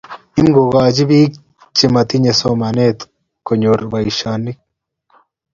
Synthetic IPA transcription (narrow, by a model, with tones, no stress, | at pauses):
i˦mɡo˨ɣaː˨d͡ʒi˦biː˦k | t͡ʃːi˨ma˨t̪i˦ɲe˨so˦ma˨ne˦t̪ | ko˨ɲo˨ɾba˨i˨ʃa˨nːi˦k